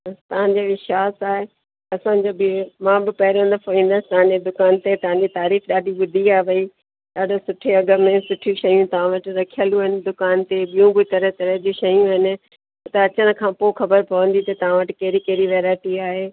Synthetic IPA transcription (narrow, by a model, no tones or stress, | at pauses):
t̪ɐʋãɲd͡ʑoʋɪʃaːsaːɦe | ɐsãɲd͡ʑoːbmãːbɪpɐɦɪɾə̃n̆d̪əpoĩːn̆d̪əsɪ̥t̪ɐʋãɲd͡ʑed̪ʊkaːnt̪et̪ɐɦãɲd͡ʑit̪aːɾiːfɗaːɗiɓʊd̪ʱiaːɦeʋɐi | ɗaːɗosʊʈʰeɐɡə̆mẽsʊʈʰjũʃɐjũt̪ɐʋ̤ãʋɐʈɪ̆ɾɐkʰijəlũɦɪnɪ̆d̪ʊkaːnt̪eɓijũbʊt̪ɐɾət̪ɐɾəd͡ʑiʃɐjũɦɪnɪ̆ | t̪ɐɐt͡ɕəɽ̃ə̆kʰãːpoxɐbəɾpɐʋə̃nd̪it̪ɐt̪ɐʋ̤ãʋɐʈɪkeːɾikeːɾiʋeːɾaːɪʈiaːɦeː